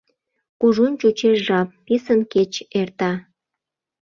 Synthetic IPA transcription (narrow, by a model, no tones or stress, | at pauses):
kuʒunt͡ɕut͡ɕeʃʒɑp̚ːisənket͡ɕert̪ɑ